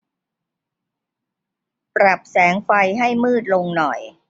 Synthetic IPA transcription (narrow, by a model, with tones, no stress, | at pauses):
pɾa˨˩p̚sɛː˩˦ŋfa˧jɦa˥˩jmɯː˥˩t̪̚lo˧ŋnɔ˨˩j